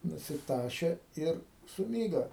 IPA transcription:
nʊsʲɪˈtɑːʃʲeː ˈɪr sʊˈmʲiːɡɐ

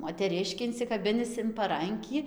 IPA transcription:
moːtʲɛˈrʲɪʃʲkʲiː ɪnʲsʲɪkɐˈbʲɪnʲɪs ɪn pɐˈrɐŋʲkʲiː

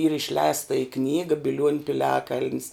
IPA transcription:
iːr ɪʃʲˈlʲɛɪstɐ ɪ ˈknʲiːɡɐ bʲɪˈlʲuɔnʲʊ pʲɪˈlʲæːkɐlʲnʲs

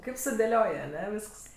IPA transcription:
ˈkɐɪp sʊdʲeːˈlʲoːj ɐˈnʲɛ ˈʋʲiːsks

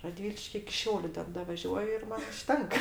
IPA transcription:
rɐˈdʲʋʲɪlʲɪʃʲkʲɪ ɪkʲɪ ˈʃʲɛʊlʲʊ ˈtʲɛn dɐʋɐˈʒʲuɔjʊ ɪr ˈmɐn ʊʃʲˈtʲɛŋkɐ

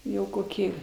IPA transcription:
ˈjɛʊ koːˈkʲiː

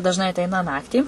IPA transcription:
dɐʒˈnɐɪ ɐtʲˈɛɪnɐ ˈnɑːktʲiː

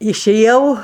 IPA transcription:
ɪʃʲɛˈjɛʊ

